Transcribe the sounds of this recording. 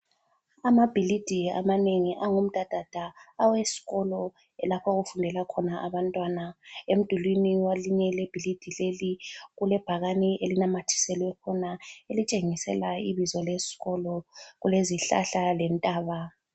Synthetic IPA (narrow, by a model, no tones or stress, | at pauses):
amab̥ʱilid̥ʱia̰maneŋiʔaŋum̩d̥ʱad̥ʱad̥ʱaːwesi̥ɣɔlɔ | ɛlapʰaɣufundʱɛlakʰɔnaʔaβantʼwanaem̩d̥ʱulwiniwaliɲɛleb̥ʱilid̥ʱileliɣulɛb̥ʱaɣaniʔelinamatʰi̥sɛlwɛkʰɔnaelit͡ʃʼeŋisɛ̰laiβizɔlesi̥ɣɔlɔɣuleziɬa̰ɬalɛntʼaːβa